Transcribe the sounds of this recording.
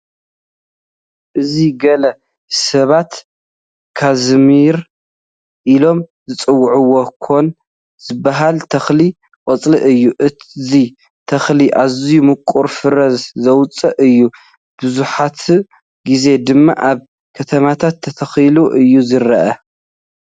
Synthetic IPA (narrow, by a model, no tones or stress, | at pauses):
ʔɨziɡɐlɐ | sɐβat̪ | kʰazmiɾ | ʔilo̞mzɨt͡sʼɨwːʕuwokʰo̞n | z̥ɨbːaɦalt̪ʰɐxli | kʼɐt͡sʼlḭʔɨjːuʔɨzi | t̪ʰɐxliʔazijumɨkʼuɾfɨɾɐzzɐwt͡sʼɐʔɨjːu | b̥ɨzuħat̪ | ɡize̞d̪ɨmːa̰ʔaβ | kʰɐt̪ʰɐmat̪ʰat̪ʰːɐt̪ʰɐxiluʔɨjːuzɨɾɐʔɐ